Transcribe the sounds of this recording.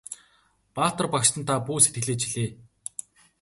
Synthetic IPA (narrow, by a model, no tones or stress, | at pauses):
paːt̪ə̆rpakʃt̪ə̆nt̪ʰapuːset̪ɡɘ̆ɮeːt͡ɕʰiɮeː